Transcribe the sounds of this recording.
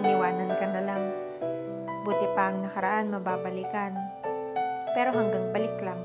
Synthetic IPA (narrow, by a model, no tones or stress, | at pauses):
ŋlɪwaːnankɐnɐlaŋ | but̪ɪpaʔɐŋnɐkɐɾaʔanmɐbaːbɐlikan | pɛːɾo̞ɦɐŋɡaŋbɐlɪklaŋ